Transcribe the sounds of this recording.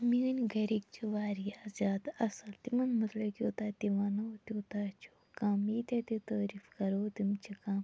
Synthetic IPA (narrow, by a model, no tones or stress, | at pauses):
minʲɡɐɾik̚t͡ʃʰiʋaːɾijaːzʲaːd̪ɐsɐlt̪imɐnmɐt̪lɐkʲjoːt̪aːt̪imɐnɐt̪ʲoːt̪aːt͡ʃʰu | kaːmiːt̪ʲɐt̪it̪ɐːɾifkɐɾoːt̪imt͡ʃʰikaːm